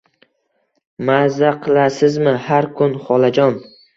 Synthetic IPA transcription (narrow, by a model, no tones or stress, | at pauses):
mazaqʰɨlˠasɪzmɪhaɾkʰʊnχɒlˠad͡ʒɒn